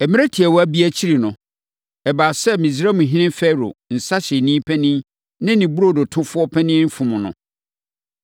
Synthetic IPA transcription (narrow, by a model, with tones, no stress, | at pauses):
ɛ˨mɪ̃˦ɾæ˦tʰi˨ɛ˨wɔ˨˦æ˦bi˦æ˦t͡ɕʰi˦ɾi˨nʊ̃˨ | ɛ˨baː˨sɛ˦mĩ˨d͡zɾa˦mʊ̃˨ɦĩ˦nɪ̃˦m˦fɛ˦ɾo̰˨n̩˨sa˦ɕɛ˨nĩ˦pʰɛ˦nɪ̃˦ | nɪ̃˦nĩ˨bu˦ɾo˦˨dʊ˨tʰʊ̃˦fʊ˦ɔ˦pʰɛ̃˦nɪ̃˦m̩˦fũ˨mʊ̃˨nʊ̰̃˨